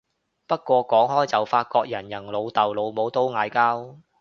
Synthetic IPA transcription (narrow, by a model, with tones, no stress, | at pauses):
pɐ˥t̚kʷɔː˧kɔː˨˥ŋhɔː˥jt͡sɐ˨˩wfaː˧t̚kɔː˧k̚jɐ˨˩njɐ˨˩ŋlo˨˧wt̪ɐ˨wlo˨˧wmo˨˧wt̪o˥wŋaː˨˧jkaː˥w